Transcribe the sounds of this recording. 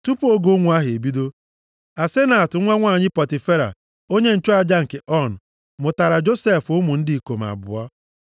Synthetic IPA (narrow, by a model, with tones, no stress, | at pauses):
tu˦pu˦o˦ɡo˦ŋʷu˨˦a˦ɦe˨bi˦do˦ | a˨se˦na˨tʊ˨˦ŋʷa˦ŋʷa˦˨ɲɪ˦pɔ˨tɪ˨fe˦ɾa̰˨ | o˦ɲe˦n̩˨t͡ʃo˦a˨d͡ʒa˦ŋ̩˨ke˨ʔɔ˦n̩˨ | mʊ˨ta˨ɾa˨d͡ʒo˦se˦˨fʊ˦mʊ˨n̩˦dɪ˦˨i˨ko˨m˨a̰˨bʊ̰˨ɔ˦